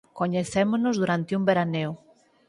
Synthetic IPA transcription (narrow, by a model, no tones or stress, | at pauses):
koɲeθemonozðuɾant̪ɪumbeɾanew